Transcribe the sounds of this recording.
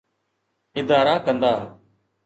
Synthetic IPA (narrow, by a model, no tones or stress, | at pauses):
ɪd̪aːɾaːkənd̪aː